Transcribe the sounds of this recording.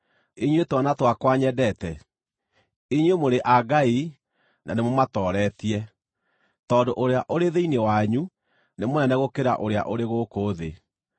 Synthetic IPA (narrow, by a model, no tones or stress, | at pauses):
eɲwetwanatwakwaɲɛdɛtɛ | eɲwemoɾeʔaɡai | nanemomatɔːɾɛtiɛ | tɔːndoʔoɾeaʔoɾeðeinewaɲu | nemonɛnɛɣokeɾa̰ʔoɾea̰ʔoɾeɣokoːðe